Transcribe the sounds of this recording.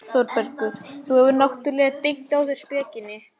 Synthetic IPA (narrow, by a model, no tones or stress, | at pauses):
sɔɾpɛɾk̪ʏɾθuhɛvʏɾnawht̪ʏɾlɛːɣat̪ejŋt̪awθɛ̥spɛːcɪnːɪ